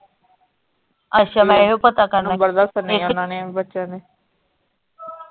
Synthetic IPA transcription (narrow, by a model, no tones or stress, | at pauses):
əʃaːbɛɦoːpət̪aːkəɾnabəɾd̪ast̪nenaːnebətːʃãːd̪eː